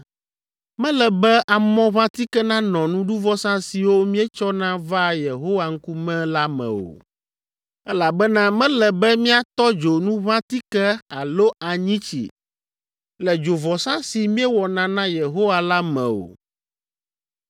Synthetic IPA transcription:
mɛ̃˦lɛ˨bɛ˦ʔa˨mɔ̃˦βã˦t̪i˦kɛ˦nã˦nɔ̃˨nũ˦ɖu˦vɔ˦sã˦si˨wo˦mĩ˦ɛ˦t͡ʃɔ˦nã˦va˦je˨ɦo˦wa˦ŋ̩˦ku˦mɛ̃˦la˦mɛ̰̃˨o̰˨ | ɛ˦la˨bɛ˦nã˦mɛ̃˦lɛ˨bɛ˦mĩ˦a˨t̪ɔ˦d͡ʒo˨nũ˦βã˦t̪i˦kɛ˦a˨lo˦ʔa˨ɲĩ˦t͡ɕḭ˨ | lɛ˨d͡ʒo˨vɔ˨sã˦si˨mĩ˦ɛ˦wɔ˨nã˨nã˦je˨ɦo˦wa˦la˦mɛ̰̃˨o̰˨

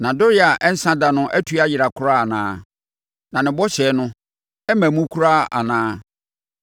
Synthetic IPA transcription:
nã˨dʊ˦ɾɪ˦a˨ʔɛ˦n̩˦sã˦da˨nʊ̃˦ʔɛ˦tʰu˨˦a˨jɪ˨ɾa˨kʰʊ˦ɾa˦a˨nã̰ː˦ | nã˨nɪ̃˨bɔ˦ɕɛ˨˦nʊ̃˦ | ɛ˦mæ̃˨mũ˦kʰu˦ɾa˦a̰˨nãː˦

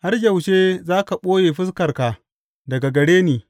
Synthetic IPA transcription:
ha˦rd͡ʒɐ˨wʃeː˦zaː˦ka˨ɓoː˦jeː˨ɸɪ˦skɐ˨rkaː˨ | dɐ˨ɡa˨ɡɐ˨ɽeː˦niː˨

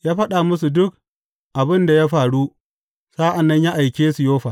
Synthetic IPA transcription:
jaː˦ɸɐ˦ɗa˨mʊ˦s̬u˨dʊ˦k̚ | ʔa˨bɪ˦nda˨jaː˦ɸaː˨ɽu˦ | sa˦ʔa˨nːɐ˦ɲjaː˦ʔa˨jkʲeː˦su˨joː˦ɸa˨

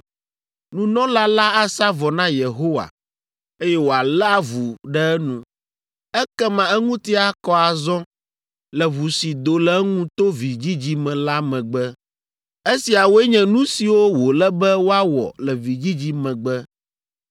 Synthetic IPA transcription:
nũ˦nɔ̃˦la˦la˦a˦˨sa˦vɔ˨nã˦je˨ɦo˦wa̰˨ | e˦jɛ˦wo˨a˨lɛ˦a˦vu˨ɖɛ˦ɛ˦nũ˨ | ɛ˦kɛ˦mã˨ɛ˦ŋũ˦t̪i˦a˨kɔ˦a˨zɔ̃˦ | lɛ˨vu˨si˨d̪o˨lɛ˨˦ŋũ˦t̪o˦vi˨d͡ʑi˦d͡ʑi˦mɛ̃˨la˦mɛ̃˨ɡ͡bɛ˦ | e˦si˨a˨wo˦ɛ˦ɲɛ̃˨nũ˦si˨wo˦wo˨lɛ˦bɛ˦wo˦a˦wɔ̰˨lɛ˨vi˨d͡ʑi˦d͡ʑi˦mɛ̃˨ɡ͡bɛ˦

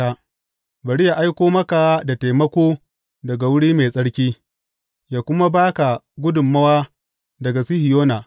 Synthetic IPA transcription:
a˦ | bɐ˨ɽi˦ja˨ʔa˦jkʷoː˦mɐ˦ka˨wa˦da˨te˨jmɐ˦kʷoː˦ | dɐ˨ɡa˨wʊ˦ɽiː˦meː˨sʼɐ˦ɽkʲiː˦ | jaː˨kʷʊ˦ma˦baː˦ka˨ | ɡʷʊ˦dʊ˨mːɐ˦waː˦ | dɐ˨ɡa˨si˦hɪ˨joː˦naː˨

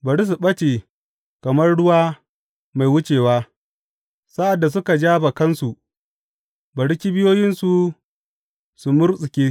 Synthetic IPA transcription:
bɐ˨ɽi˦s̬u˨ɓɐ˦t͡ʃeː˨ | kɐ˨mɐ˦rɽʊ˦waː˦ | ma˨jwʊ˦t͡ʃeː˨waː˦ | sa˦ʔa˨dːa˨s̬ʊ˦ka˨d͡ʒaː˦ba˨kɐ˦nsu˨ | bɐ˨ɽɪ˦kʲi˦bɪ˦joː˦jɪ˦nsu˨ | su˨mʊ˦rsʼɪ˨kʲeː˦

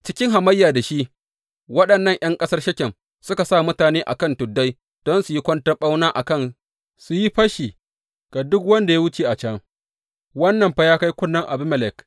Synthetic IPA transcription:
t͡ʃɪ˦kʲɪ˦ŋɦa˨mɐ˦jːaː˨da˨ʃi˦ʔ | wɐ˦ɗɐ˨nːɐ˦˨ŋj̰ɐ˦ŋkʼɐ˦sɐ˦rʃɐ˦kʲɛ˨m | sʊ˦ka˨sa˦˨mʊ˦taː˨neː˦ʔa̰˨kɐ˦˨ntʊ˨dːa˦j | d̥ɔ˦nsu˨ji˦kʷɔ˦ntɐ˦ɓa˦wnaː˦ʔa˨kɐ˦˨n | su˨ji˦ɸɐ˦ʃiː˨ | ɡ̥a˨dʊ˦kwɐ˦nda˨ja˦wʊ˦t͡ʃe˨ʔa˨t͡ʃɐ˦ŋ | wɐ˦nːɐ˨mɸa˦jaː˦ka˦jkʷʊ˦nːɐ˦ŋʔa̰˨bɪ˦m˨lɛ˨k

